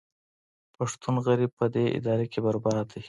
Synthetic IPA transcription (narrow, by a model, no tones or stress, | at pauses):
paʂt̪unɣaɾib̚pəd̪eʔɪ̰d̪ɑɾekʰebaɾbɑɾd̪i